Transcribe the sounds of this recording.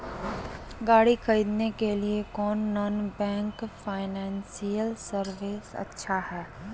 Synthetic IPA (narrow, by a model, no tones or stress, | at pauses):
ɡaːɽikʰɐɾiːd̪nekeliekɔːnːɔːnbɛ̃ːŋkfaːɪnɛ̃ːnsijəlsəɾʋeːsɐ̰tːʃʰahɛː